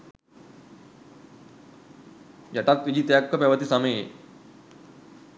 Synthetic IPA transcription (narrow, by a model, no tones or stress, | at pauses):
d͡ʑaʈat̪̚kid͡ʑiːt̪jakːəpɛʋət̪iːsamee